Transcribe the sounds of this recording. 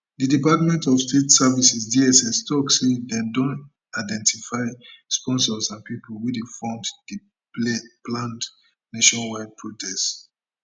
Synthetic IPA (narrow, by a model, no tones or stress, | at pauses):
didipatmɛ̃ntɔvstetsavisisdiɛsɛstɔksedɛ̃dɔ̃n | aɪdɛ̃ntʰifaɪspɔ̃nsɔsãnpipulwudefɔ̃mdd̥i | plãnd | naʃɔ̃nwad̚pʰɹotʰɛst